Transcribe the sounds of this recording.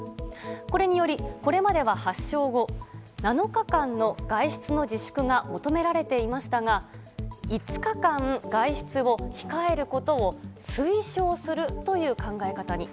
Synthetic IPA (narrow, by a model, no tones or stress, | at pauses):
ko̞ɾe̞ɲ̟ijo̞ɾʲiko̞ɾe̞mad̪e̞β̞ahaɕːo̞ːɡo̞nano̞kakãnːo̞ɡaiɕi̥t͡sɨno̞d͡ʑiɕɨ̥kɯ̟ŋamo̞t̪o̞me̞ɾaɾe̞t̪e̞imaɕi̥t̪aɡa | it͡sɨ̥kakãŋɡaiɕi̥t͡sɨo̞çi̥kae̞ɾɯ̟ko̞t̪o̞osɨiɕo̞ːsɨɾɯ̟t̪o̞jɯ̟ːkãŋɡae̞kat̪aɲ̟i